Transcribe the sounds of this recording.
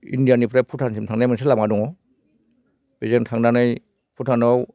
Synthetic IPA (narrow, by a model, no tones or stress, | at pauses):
ḭndijanipʰɾapʰutʰansimtʰaŋnajmans̬elamŋadɔŋɔ | b̥ezeŋtʰaŋnanɯj | pʰutʰanɔw